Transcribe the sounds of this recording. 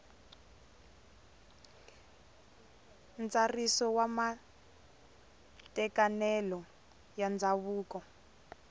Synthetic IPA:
nt͡sarisɔwama | tɛkanɛlɔ | jand͡zʱaβuːkɔ

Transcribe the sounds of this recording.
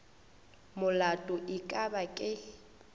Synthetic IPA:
mʊlatʼʊʔɪkʼabakʼɪ

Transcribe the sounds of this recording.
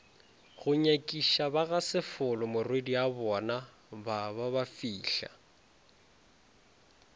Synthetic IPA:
ɣʊɲakʼiʃabaɣasɪfʊlʊmʊrwediabɔna | babaβafiːɬa̰

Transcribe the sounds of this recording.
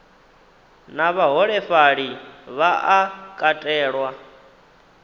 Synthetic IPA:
naβaɦɔɺɛfaɺiβaʔakʼatʼɛːɺwa

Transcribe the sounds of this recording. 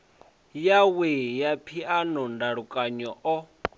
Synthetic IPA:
jawɛjapʰianɔndaɺukʼaɲɔʔɔ

